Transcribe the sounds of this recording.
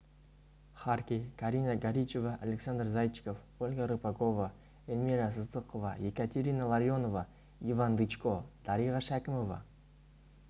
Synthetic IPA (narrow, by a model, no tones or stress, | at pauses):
χɑrkʲekʰaɾʲinaɡaɾʲit͡ʃe̞vaʔalʲeksand̪rzajt͡ʃko̞f | olʲɡaɾɨpakova | elʲmiɾas̬ɨzd̪ɨqovaje̞kat̪ʲeɾʲinalˠaɾjo̞no̞va | ivand̪ɨt͡ʃkod̪̥ɑɾiʁɑʃækʲɪmo̞vɑ̰